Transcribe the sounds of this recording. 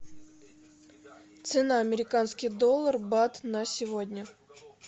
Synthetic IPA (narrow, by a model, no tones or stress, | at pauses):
t̪sɨnaɐmʲɪɾʲɪkanskʲɪjd̪olˠːərbat̪nəsʲɪvodʲnʲə